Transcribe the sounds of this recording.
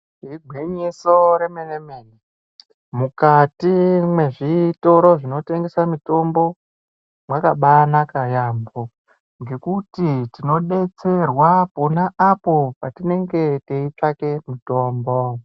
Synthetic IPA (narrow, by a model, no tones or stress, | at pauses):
iɡʱweɲesoɾemenemeːni | mukatimwe̞ʐito̞ɾo̞ʐino̞te̞ŋɡe̞samito̞mbo̞ | mwakaɓanakajambo | ŋɡe̞kutitino̞ɗe̞t͡se̞rwaponaʔːpo̞patine̞ŋɡe̞teit͡ʂake̞mito̞ːmbo̞